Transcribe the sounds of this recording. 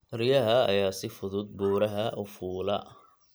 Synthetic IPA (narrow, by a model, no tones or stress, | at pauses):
rɪjɐɦɐɐ̰jaːsɪfʊðʊd̪̚buːɾɐɦɐʔʊfuːlɐ̰